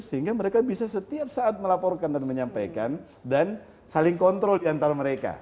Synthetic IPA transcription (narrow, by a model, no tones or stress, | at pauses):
səɦiŋɡaməɾekabisasət̪iap̚saːt̪̚məlapɔrkandanməɲampajkan | dan | salɪŋkɔnt̪ɾɔldiant̪aɾaməɾeka̰